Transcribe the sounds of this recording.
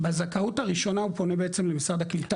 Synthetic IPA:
bezakautaʁiʃo̞naupo̞nebeet͡semle̞misʁad̪aklit̪a

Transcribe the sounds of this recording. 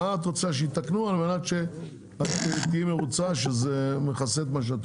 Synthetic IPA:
at̪ot͡seaʃ̬eit̪aknualmenat̪ʃe | at̪t̪iimeʁut͡saʃezemeχaset̪maʃ̬eat̪

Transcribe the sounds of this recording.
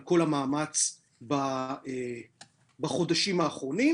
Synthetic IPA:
lko̞lamaːmat͡s | bae | baχo̞daʃimaːχʁo̞ni

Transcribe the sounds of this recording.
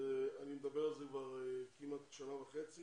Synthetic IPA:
eanimed̪abeʁalzekvaʁekimat̪ʃanavaχet͡si

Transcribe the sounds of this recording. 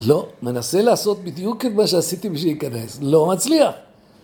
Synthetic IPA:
lo̞me̞naselaːso̞t̪̚bid̪juket̪maʃeasit̪ibeʃ̬ejikane̞slo̞mat͡sliaχ

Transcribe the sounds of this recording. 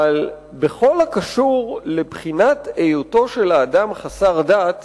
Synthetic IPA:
al | beχo̞lhakaʃuʁlebχinat̪ejuto̞ʃe̞laːdamχasaʁdat

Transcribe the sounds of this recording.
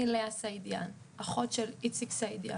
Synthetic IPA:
ileasajd̪ja̰n | aχotʃelit͡siksajd̪ja̰

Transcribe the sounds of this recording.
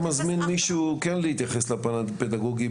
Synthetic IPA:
mazminmiʃukenlehit̪jaχeslapanaped̪aɡoɡi

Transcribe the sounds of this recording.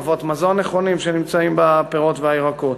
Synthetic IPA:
vot̪mazoneχo̞nimʃenimt͡saimbapeʁo̞t̪veaiʁakot̪

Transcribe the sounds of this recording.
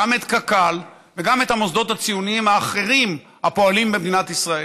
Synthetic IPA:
ame̞t̪kakal | veɡame̞t̪hamosd̪o̞t̪hat͡sijuniimhaːχe̞ʁim | hapo̞alimbemd̪inat̪isʁae

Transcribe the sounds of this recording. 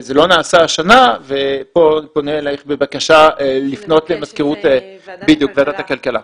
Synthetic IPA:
zelo̞naːsaːʃanavepo̞poneːlaχbebakaʃalifno̞tlemaz̥keʁutbid̪jukbeadat̪hakalkala

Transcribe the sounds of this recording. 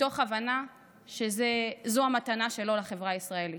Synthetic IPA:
to̞χavana | ʃezezoamat̪anaʃe̞lo̞laχe̞vʁaaisʁaeli

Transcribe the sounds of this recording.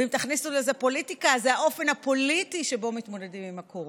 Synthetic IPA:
imt̪aχnisulezepo̞litikazeaʔo̞fe̞nhapo̞litiʃe̞bo̞mit̪mo̞de̞dimimakʰo

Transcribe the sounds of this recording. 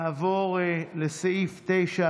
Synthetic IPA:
voʁlesaift̪ejʃa

